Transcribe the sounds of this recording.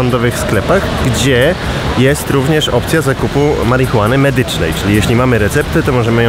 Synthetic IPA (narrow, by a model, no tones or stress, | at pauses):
ɔnd̪ɔvɘxsklɛpaɣɡd͡ʑɛ | jɛst̪ɾuvɲɛʂɔpt̪sʲjazakupumaɾixuwanɘmɛd̪ɘt͡ʂnɛ̰jt͡ʂɘlʲijeɕlʲimamɘɾɛt̪sɛp̚t̪ɘt̪ɔmɔʐɛmɘj